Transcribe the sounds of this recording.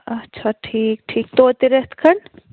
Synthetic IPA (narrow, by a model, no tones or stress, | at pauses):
ɐtːʃʰaʈʰiːk̚ʈʰiːk̚t̪ot̪eɾet̪ʰkʰəɳ